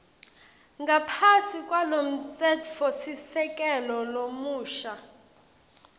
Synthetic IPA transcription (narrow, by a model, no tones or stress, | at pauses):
ŋɡʱapʰasikʼwalom̩t͡sʼɛtfosisɛkʼɛlɔlomuːʃa